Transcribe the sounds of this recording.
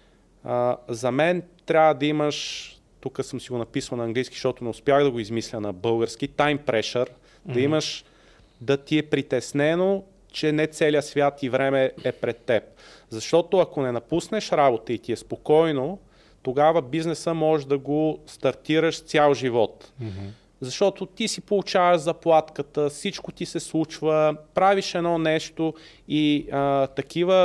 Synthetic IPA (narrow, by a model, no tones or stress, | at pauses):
əzɐmɛnt̪ɾʲavvəd̪ɐiməʃ | t̪ukəsɤmsiɡonɐpisəlˠnɐːŋɡlijski̥ʃt̪ɔt̪ʊnɛʊspʲjaɣd̪ɐɡoizmislʲənɐbɤlˠɡəɾskit̪ajmpɾɛʃəɾ | d̪ɐiməʃ | d̪ɐt̪iɛpɾit̪ɛsnɛno | t͡ʃɛnɛt̪sɛlijəsvʲjat̪ivɾɛmɛɛpɾɛt̪ːɛp̚zɐʃt̪ɔt̪oɐkonɛnɐpusnɛʃɾabot̪əit̪iɛspokɔjno | t̪oɡavəbiznɛsəmɔʒd̪ɐɡost̪ɐɾt̪iɾəʃst̪sʲjalˠʒivɔt̪ | zɐʃt̪ɔt̪ot̪isipolˠut͡ʃavəʃzɐplˠat̪kət̪əfsit͡ʃkot̪isɛslˠut͡ʃvəpɾaviʃɛnɔnɛʃt̪o | iət̪ɐk̟ivə